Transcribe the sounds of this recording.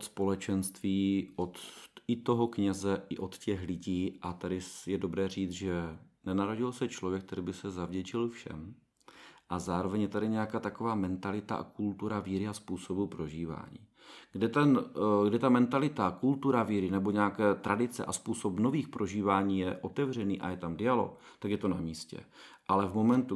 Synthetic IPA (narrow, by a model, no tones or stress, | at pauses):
ʔot̪spo̞lɛt͡ʃɛnst̪viːʔot̪ɪt̪o̞ɦokɲɛzɛʔɪʔot̪cɛxlɪɟiːʔat̪adɪjɛdo̞bɾɛːr̝iːt͡sʒɛnɛnaɾoɟɪlsɛt͡ʃlovjɛk̚t̪ɛɾiːbɪsɛzavɟɛt͡ʃɪlfʃɛ̰m | ʔazaːɾo̞vɛɲjɛt̪adɪɲɛjakaːt̪akovaːmɛnt̪alɪt̪aʔa̰kult̪uɾaviːɾɪaspuːsobupɾo̞ʒiːva̰ːɲḭː | ɡ̥dɛt̪ɛnɡdɪt̪amɛnt̪alɪt̪akult̪uɾaviːɾɪnɛbo̞ɲɛakɛːt̪ɾʔadɪt͡sɛ̰ʔaspuːso̞pnoviːxpɾo̞ʒiːvaːɲiːjɛʔo̞t̪ɛvr̝ɛniːʔa̰jɛt̪amdɪalo̞̰kt̪akjɛt̪o̞namiːscɛ̰ʔalɛvmo̞mɛnt̪u